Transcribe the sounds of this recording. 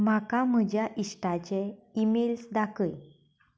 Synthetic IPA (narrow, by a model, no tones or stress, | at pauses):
m̤akam̤əd͡ʑʱjaʔiʂʈat͡ɕeimelsd̪akəj